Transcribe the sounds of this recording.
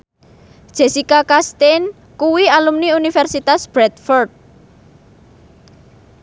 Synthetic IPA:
d̥ʒ̥e̤sikakast̪en | kuwialumniunifɛrsit̪asb̥ɾɛt̪̚fɔrd̪̚

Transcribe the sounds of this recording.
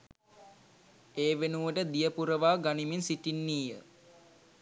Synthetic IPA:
eːʋenuʋəʈəd̪ijəpuɾəʋaːɡaniminsiʈinːiːjə

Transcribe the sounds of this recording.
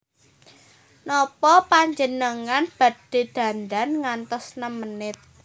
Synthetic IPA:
nɔpɔpaɲd͡ʒənəŋanb̥ä̤d̥e̤d̪̥ä̤ndanŋant̪ɔsnəmənɪt̪̚

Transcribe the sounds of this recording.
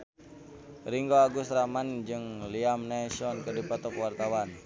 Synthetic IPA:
ɾiŋɡoaɡusɾamand͡ʒɨŋliamnasɔnkədipɔt̪ɔkwart̪awan

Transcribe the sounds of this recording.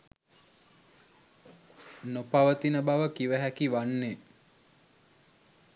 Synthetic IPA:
nopaʋət̪inəbaʋəkiʋəɦækiʋanːe

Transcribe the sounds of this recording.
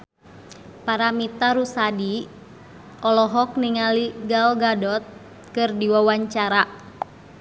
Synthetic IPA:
paɾamit̪aɾusadi | ɔlɔɦɔk̚niŋaliɡalɡadɔt̪̚ | kɨrdiwawaɲt͡ʃaɾa

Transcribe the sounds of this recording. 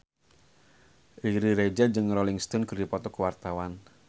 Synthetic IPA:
ʔiɾiɾed͡ʒad͡ʒɨŋrɔliŋst̪ɔnkərdipɔt̪ɔkəwart̪awan

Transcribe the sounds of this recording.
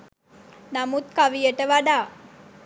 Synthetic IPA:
namut̪̚kaʋijəʈəʋaɖaː

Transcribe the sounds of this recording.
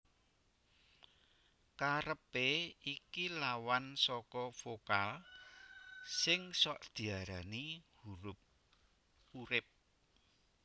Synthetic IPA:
kaɾəpeikilawansɔkɔfokal | sɪŋsɔʔd̪̥i̤aɾanihuɾʊp̚ | uɾɪp̚

